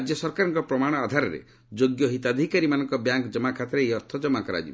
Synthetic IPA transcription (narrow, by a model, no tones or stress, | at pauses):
d͡ʒjɔsɔɾkaɾɔŋkɔpɾɔmaɽ̃ɔad̪ʱaɾɔɾḛ | d͡ʒoɡjɔɦit̪ad̪ʱikaɾimanɔŋkɔbjaŋkd͡ʒɔmakʰat̪ɾeejɔɾt̪ʰɔd͡ʒɔmːakɔɾa̰d͡ʒib